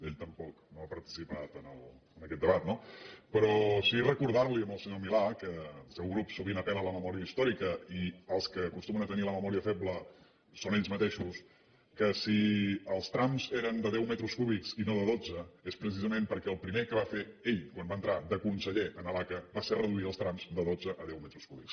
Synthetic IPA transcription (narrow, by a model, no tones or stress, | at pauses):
eʎt̪əmpɔknoəpəɾt̪i̥sipat̪ənəlˠənəkɛt̪̚d̪əβat̪nopəɾɔsirəkuɾðaɾliəmbəlˠsəɲomilakəːlˠsɛwɣɾupsuβinəpɛnələməmɔɾiəist̪ɔɾikəiəlˠskəːkust̪umənət̪əniləməmɔɾiəfɛbləː | oneʎzmət̪eʃus | kəsiəlˠst̪ɾamzeɾənd̪əðɛwmɛt̪ɾuskuβiksinoðəðod͡zəespɾəs̬izəmempəɾkɛəlˠpɾimekəβafeeʎkwambaənt̪ɾad̪əkunsəʎeʔənəlakəbaserəðuit̪əlˠst̪ɾamzd̪əðod͡zəʔəðɛwmɛt̪ɾuskuβiks